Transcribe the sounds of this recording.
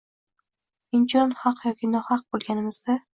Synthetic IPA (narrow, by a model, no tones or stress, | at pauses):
ɪnt͡ʃʰɒnhɑqjɒkʲinɒhɑq̚bolˠɡʲanɪmɪzd̪a